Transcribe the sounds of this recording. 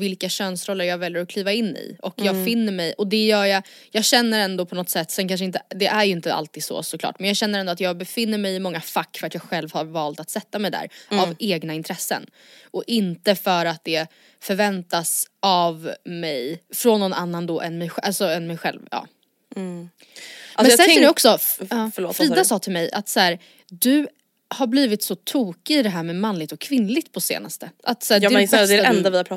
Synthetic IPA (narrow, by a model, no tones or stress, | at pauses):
vɪlkaɕœːnsɾɔlːəɾjɑːɡvɛljəɾɔkʰliːvaɪnːɪ̰ʔɔkjɑːɡfɪnːəɾmɛjʔɔd̪ɛjœːja | jɑːɡɕɛnːəɾɛnd̪ɔpʰɔnɔt̪sɛt̪ːsɛnkʰanʂ̬əɪnt̪əd̪ɛʔæɾjɵɪnt̪əʔa̰lt̪iːd̪̥sɔ̰sɔkʰlɑ̰ːʈmɛnjɑːɡɕɛnːəɾɛnd̪ɔat̪jɑːɡ̚bɛfɪnːəɾmɛjɪmɔŋːafakːfœɾat̪jɑːɡɧɛlvhaɾvɑːlt̪at̪sɛt̪ːamɛjd̪æ̰ːɾaveːɡnaɪnt̪ʰɾɛsːə̰n | ʔɔʔɪnt̪əfœɾat̪̚d̪ɛ | fœɾvɛnt̪asʔavmɛjfɾɔnːɔnʔa̰nːand̪ɔʔɛnmɛjɧʔalsɔɛnmɛjɧɛ̰lvjɑ̰ː | ɛnsɛɛɔksɔɑfɭoːfɾiːd̪asɑːt̪ʰɪlmɛjʔa̰t̪sæːɾ | d̪ɵ | haɾbliːvɪt̪sɔt̪ʰuːkɪɪd̪ɛɦæːɾmɛmanlɪɡ̚t̪ɔkʰːvɪnlɪɡ̚t̪̚pʰɔsḛːnast̪əʔat̪sæːd̪ɛɛɛnd̪avɪhapʰɾɑ